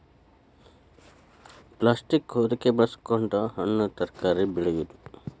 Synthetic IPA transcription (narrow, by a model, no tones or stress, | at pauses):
plaːsʈikɦoːd̪ikebɐskoɳʈɐɦɐnːut̪ɐɾkaːɾibiɭeʋid̪u